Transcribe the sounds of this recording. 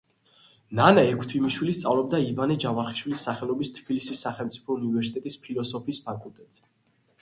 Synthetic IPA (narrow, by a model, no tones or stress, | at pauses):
nanaɛkʷʰt̪ʰwimiʃwilist̪sʼa̰vlɔbd̪aivanɛd͡ʒavaχi̥ʃwilisːaχɛlˠɔbist̪ʰb̥ilisisːaχɛlmt̪sʼipʰɔunivɛɾsit̪ʼɛt̪ʼispʰilˠɔsɔpʰiːspʰakʼulˠt̪ʼɛt̪ʼz̥ɛ